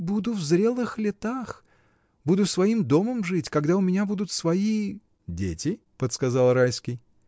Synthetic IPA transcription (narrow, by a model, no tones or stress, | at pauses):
bud̪ʊvzɾʲe̞lˠɨxlʲɪt̪ax | bud̪ʊsvɐimd̪o̞məmʐɨtʲkɐɡd̪aʊmʲɪnʲabud̪ʊt̪svɐi | dʲḛtʲɪ | pət̪skɐzalˠrajskʲɪj